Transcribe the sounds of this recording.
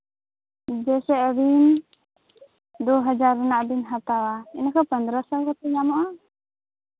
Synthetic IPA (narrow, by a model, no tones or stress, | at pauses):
d͡ʒɛsɛʔbin | d̪ɔɦəd͡ʒaɾːunaʔb̪inɦat̪awaɛnakʰɔpənd̪ɾəsəlkɔt̪ɛɲamɔʔa